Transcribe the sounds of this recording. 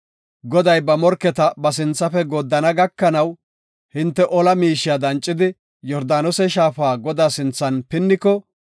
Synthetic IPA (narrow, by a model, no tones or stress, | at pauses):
ɡɔd̪ɐjbɐmɔɾkːɛt̪ɐbɐs̬ɪnt͡sːɐfɛɡoːd̪ːɐnɐɡɐkːɐnɐw | hɪnt̪ːɛʔɔlɐmiːʃːɪjad̪ɐnt͡ʃʼːɪd̪ɪ | jɔɾd̪aːnɔsɛʃaːfaːɡɔd̪aːsɪnt͡sːɐnpɪnːɪkːɔ